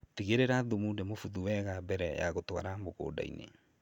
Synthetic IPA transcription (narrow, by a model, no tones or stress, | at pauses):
tiɣeɾeɾaðomundemofuðuwɛɣabɛɾɛja̰ɣotowaɾamoɣo̰da̰ḭnḛ